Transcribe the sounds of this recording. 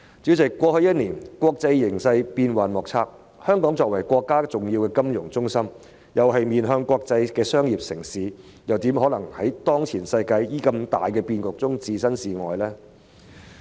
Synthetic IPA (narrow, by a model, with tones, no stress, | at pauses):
t͡si˨˥wt͡sɪ˨kːʷɔː˧hɵ˧jɐ˥t̚niː˨˩nkʷɔː˧k̚t͡sɐ˧jːɪ˨˩ŋsɐ˧jpiː˧nwaː˨nmɔː˨k̚t͡sʰaː˧k̚ | hœː˥ŋkɔː˨˥ŋt͡sɔː˨k̚wɐ˨˩jkʷɔː˧kːaː˥t͡sʊ˨ŋjiː˧wkɛː˧kɐ˥mjʊ˨˩ŋt͡sʊ˥ŋsɐ˥m | jɐ˨wɦɐ˨jmiː˨nɦœː˧ŋkʷɔː˧k̚t͡sɐ˧jkɛː˧sœː˥ŋjiː˨p̚sɪ˨˩ŋsiː˨˥ | jɐ˨wt̪iː˨˥mhɔ˨˥lɐ˨˩ŋhɐ˨˥jt̪ɔː˥ŋt͡sʰiː˨˩nsɐ˧jkaː˧jjiː˨˥kɐ˧mt̪a̰ː˨jkɛː˧piː˧nkʊ˨k̚t͡sʊ˥ŋt͡siː˧sɐ˥nsiː˨˧ŋɔ̰ː˨jlɛː˥